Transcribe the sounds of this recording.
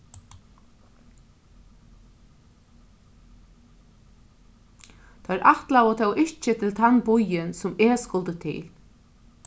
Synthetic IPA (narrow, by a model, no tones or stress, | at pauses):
t̪ʰɔɾʔaht̪lawət̪ʰɛwʔɪht͡ʃɪt̪ʰɪlt̪ʰanbʊjɪnsʊmɛːskʊlt̪ət̪ʰɪ̰l